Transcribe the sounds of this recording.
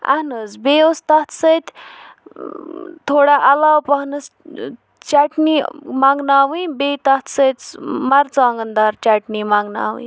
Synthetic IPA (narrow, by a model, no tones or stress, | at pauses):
ɐ̰ɦnɨzbeːost̪ɐht̪ʰsəjt̪ʲ | t̪ʰoːɽaʔɐlaːwpɐɦnɨs | t͡ʃaʈnimaŋɡnaːwĩbeːt̪ɐht̪ʰsət̪t͡smɐɾt͡saːŋɡənd̪aːɾt͡ʃaːʈnimaːŋɡna̰ːwḭ̃